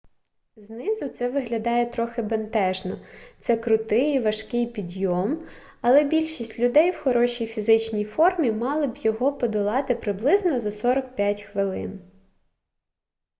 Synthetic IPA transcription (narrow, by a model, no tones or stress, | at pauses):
znɪzʊt̪sɛʋɪɦlʲɐd̪ɑjɛt̪ɾɔxɪbent̪ɛʒnɔt̪sɛkɾʊt̪ɪjiʋɐʃkɪjpʲid̪ʲjɔm | ɐlˠɛbʲilʲʃisʲtʲlʲʊd̪ɛjwxɔɾɔʃʲijfʲizɪt͡ʃnʲijfɔrmʲimɑlˠɪbjɔɦɔpɔd̪ɔlˠɑt̪ɪpɾɪblˠɪznɔzɐsɔɾɐk̚pʲjatʲxʋɪlˠɪ̰n